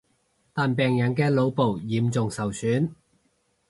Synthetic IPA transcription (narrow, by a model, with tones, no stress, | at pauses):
t̪aː˨npɛː˨ŋjɐ˨nkɛː˧lo˨˧wpo˨wjiː˨˥mt͡sʊ˨ŋsɐ˨˩wsyː˨˥n